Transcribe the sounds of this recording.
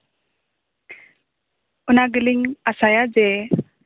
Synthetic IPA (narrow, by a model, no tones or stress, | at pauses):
unaɡəliŋasajad͡ʒe